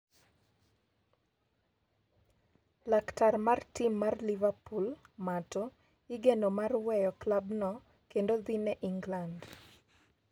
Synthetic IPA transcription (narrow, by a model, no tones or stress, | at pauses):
laktarmartimːarlivapulmato | iɡenomarwɛjɔklabnɔ | kendoðinɛʔiŋɡland